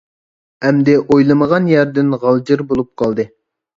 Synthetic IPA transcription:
ɛmd̪ɪʔojlˠɨməʁɑnjæɾd̪ɪnʁɑlˠd͡ʒɨɾbolˠup̚qʰɑlˠd̪ɨ

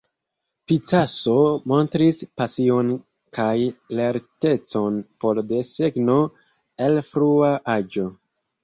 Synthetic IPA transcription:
pit͡saso̞mo̞ntɾispasio̞n | kajle̞ɾte̞t͡so̞npo̞lde̞seɡno̞ | elfɾuaʔad͡ʒo̞

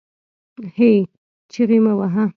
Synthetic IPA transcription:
hej | t͡ʃiɾimãwaɦã

